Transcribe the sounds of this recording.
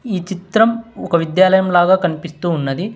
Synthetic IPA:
iːt͡ʃit̪ɾɐmɔkɐʋid̪jaːlɐjɐmlaːɡaːkɐnipist̪uːnːɐd̪i

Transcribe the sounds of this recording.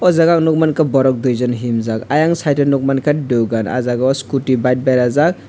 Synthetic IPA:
ɔzaɡak̚nuk̚mankabɔɾɔk̚dujzɔnɦimzakajaŋsajtɯnuk̚mankʰadɯɡana̰zaɡɔskutibajt̚bajɾazak̚

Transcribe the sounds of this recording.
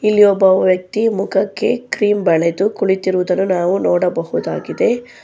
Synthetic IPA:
ilːijobːɐʋjɐk̚t̪imukʰɐkːe̞kɾiːmbɐɭed̪ukuɭit̪iɾuʋud̪ɐnːunaːʋunɔːɽɐbɐɦud̪aːɡid̪e̞

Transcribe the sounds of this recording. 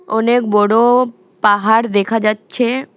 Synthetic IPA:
ɔnekbɔɽo | paɦaɾd̪ekʰad͡ʑatːɕʰe

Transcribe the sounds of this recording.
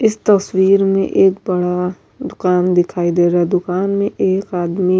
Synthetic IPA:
ɪst̪ɐswiːɾmḛ̃ʔeːk̚bɐɽa | d̪ʊkaːnd̪ɪkʰaːid̪eːɾaɦɛd̪ʊkaːnmẽʔeːkaːd̪mi

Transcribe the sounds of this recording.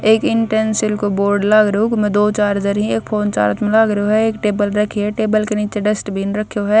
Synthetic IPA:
eːkɪɳʈɛnsɪlkoboːɾɖlaːɡɾɐɦũkmɛ̃d̪oːt͡ʃaːɾd͡ʒɐɾɦĩeːk̚pʰoːnt͡ʃa̰ːɾt̪mẽlaːɡɾɐɦoɦɛeːkʈeːbəlɾɐkʰiɦɛʈeːbəlkeniːt͡ʃeɖɐsʈbʱinɾɐkʰjoɦɛː

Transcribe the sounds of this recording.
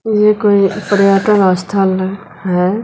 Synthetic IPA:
jekoːipəɾjaʈənəst̪ʰəl | ɦɛ

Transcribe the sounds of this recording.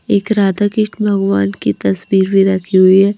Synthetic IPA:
eːkɾaːd̪akɪʃʈbʱɐɡʋaːnkit̪ɐsbiːɾbʱiɾɐkʰːiɦʊiɦɛː

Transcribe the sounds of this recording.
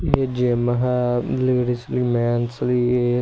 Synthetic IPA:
ed͡ʒemɐɦaliɾislimɛːnslie

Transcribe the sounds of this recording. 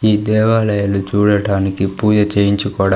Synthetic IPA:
iːd̪ɛːʋaːlɐjɐlut͡ʃuːɽɐɽaːnikipuːd͡ʒɐt͡ʃeːjiɲt͡ʃukɔːɽɐ

